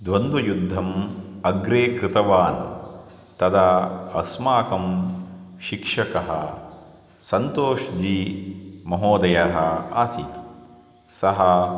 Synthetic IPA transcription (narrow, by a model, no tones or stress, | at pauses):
d̪ʋɐnd̪ujud̪ʱːɐmɐɡɾeːkɾɪt̪ɐʋaːn | t̪ɐd̪ɐɐsmaːkɐm | ʃikʂɐkɐɦɐ̰ | sɐnt̪oːʃd͡ʒiːmɐɦoːd̪ɐjɐɦɐaːsit̪ | sɐɦɐ